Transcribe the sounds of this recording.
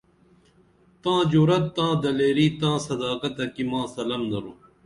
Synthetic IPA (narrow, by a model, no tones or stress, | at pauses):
t̪ãːd͡ʑuːɾɐt̪ːãːd̪ɐleːɾiːt̪ãːsɐd̪aːkɐt̪ɐkimãːsɐlɐmd̪ɐɾũː